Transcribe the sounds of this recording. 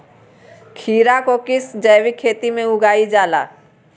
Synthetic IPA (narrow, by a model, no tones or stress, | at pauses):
kʰiːɾakokɪsd͡ʒəjwikʰːeːt̪imẽʊɡaːid͡ʒaːla̰ː